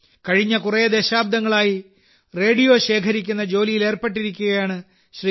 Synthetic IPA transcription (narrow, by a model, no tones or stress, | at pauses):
kɐɻiɲːɐkurɐjɐd̪eɕaːb̚d̪ɐŋːɐɭaːji | re̞ːɖijo̞ːɕe̞ːkʰɐɾikʲːun̪ːɐd͡ʑo̞ːlijile̞ːrpeʈːiɾikʲːuɣɐjaːɳɨ | ɕriː